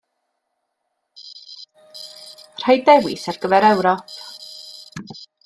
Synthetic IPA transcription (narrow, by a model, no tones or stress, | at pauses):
r̥ajdɛwɪ̰sarɡəvɛɾɛwɾɔpʰ